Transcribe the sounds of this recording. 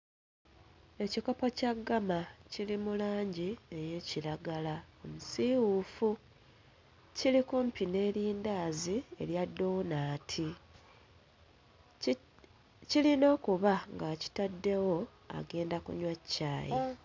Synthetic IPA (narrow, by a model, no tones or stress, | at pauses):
e̞ciko̞po̞caɡːamacilimulaːɲɟieje̞ːciɾaɡalaomusiwufu | cilikumpine̞ːɾiːndaːzie̞̰ɾjadːo̞ːnaːtʰi | cilino̞ːkuβaŋɡaːci̥tadːe̞wo̞ | a̰ɡe̞ːndakṵɲwacːa̰ːjḛ